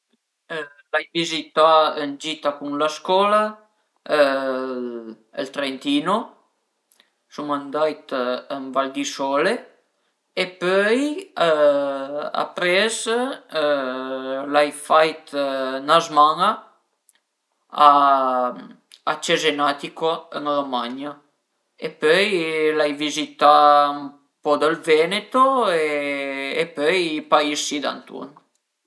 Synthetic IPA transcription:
lajvizit̪aənd͡ʒit̪akunlaskɔla | əlt̪ɾɛnt̪ino | sumand̪ajt̪ənvald̪isɔle | epœj | a̰pɾɛz | lajfajt̪nazmaŋa | a | at͡ʃezenat̪ikoəŋromaɲa | epøjlajvizit̪am | pɔd̪əlvɛnet̪oeː | pøjpaisid̪a̰nt̪ṵn

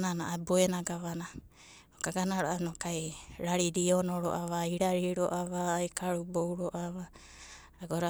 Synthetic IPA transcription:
nanaaboenaɡaβana | okaɡanaɾoʔanokajɾaɾiɾionoɾo̰ʔaβaiɾaɾiɾoʔaβaːjkaɾubowɾoʔaβaː | ɡoɾa

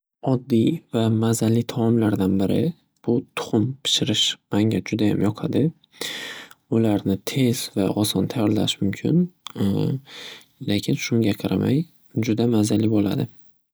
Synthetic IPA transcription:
ɒd̪ːivamazalːit̪ʰamɒmlaɾd̪anbɪɾɪ̰ | b̥ʊt̪ʰʊ̥χʊmpʰɪ̥ʃɪɾɪʃmaŋʲad͡ʒʊd̪aja̰mjɒqʰɑd̪ɪ | ʊlaɾnɪt̪ʰe̞z̥vaʔɒsɒnt̪ʰajɒɾla̰ʃmʊmkʲʰɪ̰n | lekʲʰɪnʃʊŋɡʲaqʰɑɾʔama̰j | d͡ʒʊd̪amazalːɪbola̰d̪ɪ

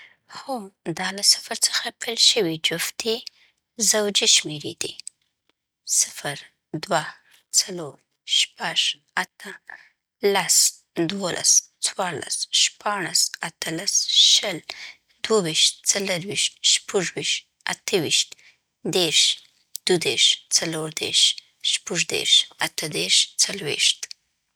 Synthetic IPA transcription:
xod̪ɑlasɪ̥fəɾt͡sə̥xapəlʃəwid͡ʒʊft̪i | zawd͡ʒiʃmeɾed̪i | sɪ̥fəɾ | d̪wa | t͡saloɾ | ʃpaʒ | at̪ʰə | las | d̪wolʔa̰st͡swɑɾla̰sʃpɑɽ̃asat̪əlasʃəl | d̪̥wawiʃt̪̚t͡saləɾwiʃt̪ʃpəʐwiʃt̪ | a̰t̪ʰəwiʃt̪ | d̪eɾʃ | d̪̥ud̪eɾʃt͡saloɾd̪ḛɾʃ | ʃpəʐd̪ḛɾʃat̪ʰəd̪eɾʃt͡salwḛʃt̪

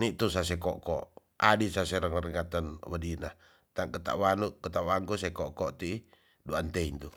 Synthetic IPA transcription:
niʔt̪usas̬ɛkɔʔkɔ̰ | adisasɛɾaŋɾəŋat̪anwadina | t̪aŋkət̪a̰ʔwanuʔkət̪aʔwaŋkusɛkɔʔkɔʔt̪i | duant̪ɛiɲt̪u

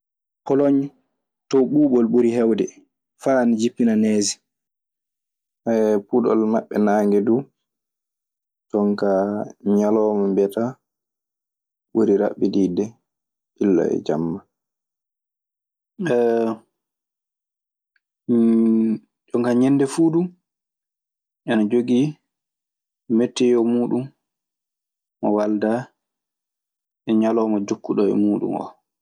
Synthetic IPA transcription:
pʰɔlɔɲ | tɔɓuːɓɔlɓuɾiɦɛwdɛ | faːnd͡ʒipːinanɛːzi̥ | ʔaɛpuɗɔ̰lmaɓːɛnaŋɡɛdu | tɔŋkaɲalɔːmambɛta | ɓoɾiɾa̰ɓːididɛ | ʔilːa̰ɛ̰d͡ʒamːa | ɛ | ɗɔŋɡaɲɛndɛfuːɗum | ʔanad͡ʒoɡi | metːɛjɔmuːɗum | ɔwalda | ʔɛɲalɔːmad͡ʒokːuɗɔɛ̰muːɗṵmɔ̰

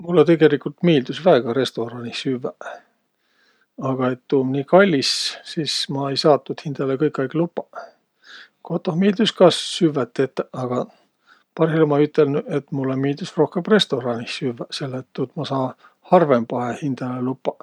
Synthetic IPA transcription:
mulːet̪e̞ɡe̞likult̪miːld̪usvæeɡ̥ɑɾe̞st̪o̞ɾɑnisyvːæ | ɑɡ̥ɑe̞t̪ːuːmniːkɑlʲːissiːsmɑejsɑːt̪ːud̪̥hind̪̥ɑlekɤjkːˑɑjklupːɑ̥ | kot̪ːˑohmiːld̪̥uskɑssyvæt̪ːet̪ːˑeɑɡ̥ɑ | pɑrhilmɑyt̪ːˑelnue̞t̪mulːemiːld̪usro̞hkemre̞st̪oɾɑnisyvːæse̞lːet̪t̪ːud̪mɑsɑː | hɑrve̞mpɑɦehind̪̥ɑlelupːɑ

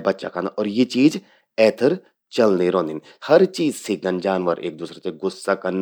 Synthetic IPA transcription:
bɐtːʃa̰kãnaʔɔːɾjet͡ʃiːz | ɛːt̪ʰəɾ | t͡ʃɐlniɾõːnd̪in | hɐɾt͡ʃiːzsik̚ɡə̃nd͡ʒaːnʋəɾḛːk̚d̪uːsɾat̪eɡʊsːakɐn

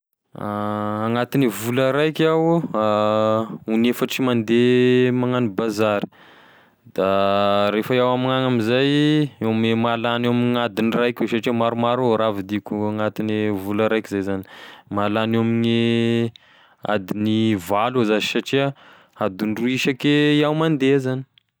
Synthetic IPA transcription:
aaŋat̪inivuləɾajkʲawa | unefaʈ͡ʂimand̪emaŋanibazaɾi̥ | d̪̥aɾefaiawamaŋaŋamizajewamemalanewaminad̪inirajkʲesaʈ͡ʂiamaɾumaɾoɾavid̪ikuaŋat̪inevulaɾajkizajzani̥malanewamine | a̰d̪inivaluzazisaʈ͡ʂiə | ad̪unɖ͡ʐuiʃakeiawmand̪ezani̥

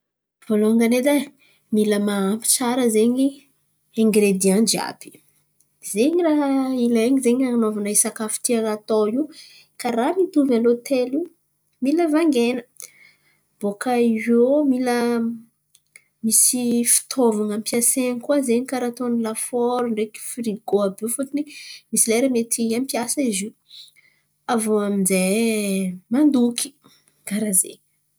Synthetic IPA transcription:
v̥oloaŋɡaned̪a | miləmaːmpi̥t͡saɾəzeɲi | ẽŋɡɾed̪iand͡ʒa̰pi̥ | zeɲiraɦileɲizeɲaanovanaisakafi̥t̪ialat̪oi | kaɾamit̪uvalot̪elu | miləvaŋɡenə | b̥okaiwomilə | misifi̥t̪ʰovaŋampjasenikuwazeɲkaɾat̪onilafoɾuɳɖ͡ʐeki̥fɾiɡoabefut̪inimisilaɾemet̪iampjasaizi | avoaminze | mand̪uki̥ | kaɾazḛ

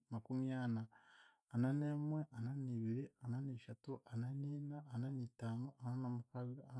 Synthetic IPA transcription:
makumjaːnaː | nanemweʔananiːβiɾiananiːʃatuʔananiːnaːnanitaːnoʔananamukaβia

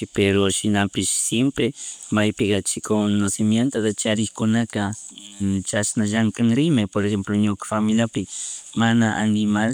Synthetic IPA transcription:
peɾoʃɪnapɪʃsjempɾemajpɪkat͡ʃɪkonosɪmjent̪od̪at͡ʃaɾɪxkʊnaka | t͡ʃasnaʒaŋkaŋɾɪmepoɾexemploɲokḁfamɪljapɪmanaʔa̰nɪmal

